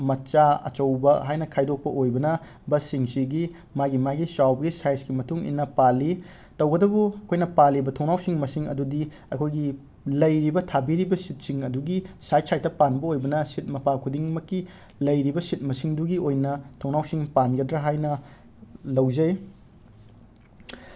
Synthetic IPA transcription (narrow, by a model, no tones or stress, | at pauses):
mɐt͡ʃaɐ̰t͡ʃɐwbɐɦajnɐkʰajdok̚pɐʔojbɐnɐ | bɐsiŋsiɡi | maɡimaɡisawbɐɡisajskimɐtuŋḭnːɐpali | tɐwɡɐdɐbuɐkʰojnɐpalibɐtʰoŋnawsiŋmɐsiŋɐ̰dudi | ɐkʰojɡi | lɐjɾibɐtʰabiɾibɐsit̚siŋɐduɡisajsajtɐpanbɐojbɐnɐsit̚mɐpakʰudiŋmɐkːi | lɐjɾibɐsit̚mɐsiŋduɡiojnɐtʰoŋnawsiŋpanɡɐdɾɐɦajnɐ | lɐwzɐj